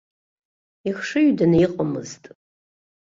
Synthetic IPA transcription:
ixʂɨɥdanɨiqʼamɨ̰ztʼ

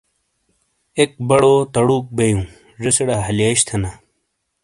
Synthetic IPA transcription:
ek̚bɐɽot̪ɐɽuːk̚bejũː | ʐeseɽaɦɐljeɕt̪ʰɐna

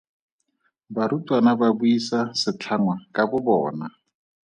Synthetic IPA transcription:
baɾutʼwanababuisasɪt͡ɬʰaŋwakʼabʊbɔːna

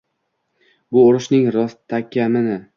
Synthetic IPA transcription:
bʊoɾɪʃnɪŋɾɒst̪ʰːakʲamɪnɪ

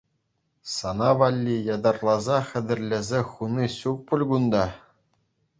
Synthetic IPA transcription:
sɑnɑʋɑlʲːijɑd̪ɑrlˠɑzɑχʲɘ̆d̪ʲɘ̆rʲlʲɘ̆zʲeχuniɕuk̚pulʲɡund̪ɑ

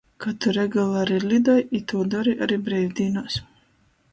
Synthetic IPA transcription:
kat̪uɾɛɡalˠaɾilʲid̪ɔjit̪uːd̪ɔɾiʔaɾibɾɛjvʲd̪iːnɔːs

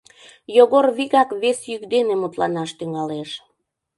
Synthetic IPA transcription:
joɣorβiɣɑkβesjykd̪enemut̪lɑnɑʃt̪yŋɑleʃ

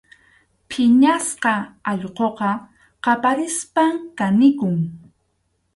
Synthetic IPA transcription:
pʰɪɲasqɑɑʎqoqɑ | qɑpaɾɪspamkanɪkʊŋ

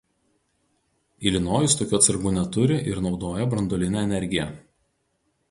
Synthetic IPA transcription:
ilʲɪnoːjʊst̪oːkʲuːɐt̪sɐɾɡuːnʲɛt̪ʊɾʲɪʔɪɾnɒʊd̪oːjɛbɾɐnd̪ɔːlʲɪnʲæɛnʲɛɾʲɡʲɪjɛ

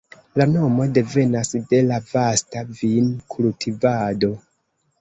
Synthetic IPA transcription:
lano̞mo̞de̞ve̞nasde̞lavastavinkʰultʰivado̞

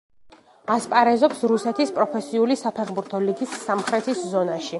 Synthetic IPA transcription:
aspʼaɾɛzɔpsɾusɛt̪ʰispʼɾɔpʰɛsiulisapʰɛχbuɾt̪ʰɔliɡisːamχɾɛt̪ʰiszɔnaʃi

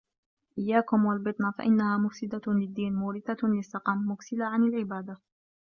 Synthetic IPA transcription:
ʔɪjːaːkʊmwalbɪt̪ˤnafa̰ʔɪnːahaːmʊfsɪd̪alɪd̪ːiːnmʊːɾɪθalɪsːɑqɑmːʊksɪlaʕanɪlʕɪbaːd̪a

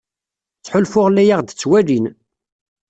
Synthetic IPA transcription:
t͡sːħʊlfʊʁlːæjaʁd̪ət͡sːwælin

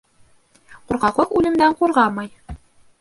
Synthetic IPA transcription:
quɾʁɑqˠɤqʉlɘ̆md̪æɴquɾʁɑmɑj

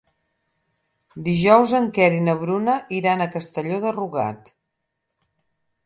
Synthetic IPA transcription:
d̪iʒɔwzəŋkɛɾinəβ̞ɾunəʔiɾanəkəst̪əʎoðəruɣa̰t̪

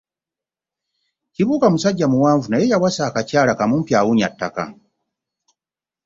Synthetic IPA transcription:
ciβuːkamusaɟːamuwaːɱvunajejawasaːkacaːlakamuːmpjaːwuɲatːa̰ka̰

